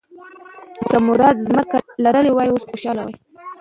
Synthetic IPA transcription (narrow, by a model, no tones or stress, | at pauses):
kəmʊɾɑd̪zməkalaɾəlewɑjiosxoʃɑlawaj